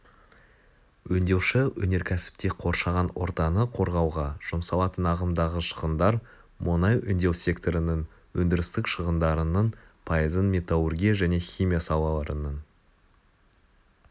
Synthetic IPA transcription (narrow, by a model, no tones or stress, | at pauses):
wɵnd̪e̞wʃɪwɵne̞ɾkʲʰæsɪ̥p̚t̪e̞qʰo̞ɾʃɑʁɑnwo̞̰ɾt̪ɑnəqʰo̞ɾʁɑwʁɑʒ̥ʊmsɑlˠɑt̪ənɑʁəmd̪ɑʁəʃə̥ʁənd̪ɑɾ | mʊnɑjʔʏ̰nd̪e̞wsʲe̞kt̪o̞ɾɪnəŋ | wɵnd̪ɪɾɪst̪ɪkʃəʁənd̪ɑɾənən | pʰajəzənmʲe̞t̪aurɡʲijaʒæne̞χʲijmʲijasɑw̪ˠɑlˠɑɾənən